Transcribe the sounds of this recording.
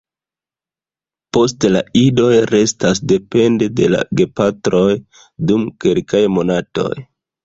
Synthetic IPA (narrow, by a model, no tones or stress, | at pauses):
po̞stla̰ido̞jɾe̞stasde̞pe̞nde̞de̞la̰ɡe̞patɾo̞j | dumkelkajmo̞nato̞̰j